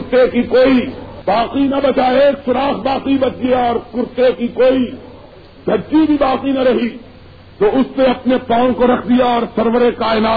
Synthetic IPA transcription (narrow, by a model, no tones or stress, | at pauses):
ʊɾt̪ekikoːibaːqinɐbɐt͡ʃaːeːksʊɾaːxbaːqibɐt̪̚d͡ʒieɔːɾkʊɾt̪ekikoːi | dʱɐt͡ʃibʱibaːqinɐɾɐɦi | t̪oːʊsnẽɐpnepãːõkoɾɐkʰd̪ijaɔːɾsɐɾʋəɾekaːɪnaː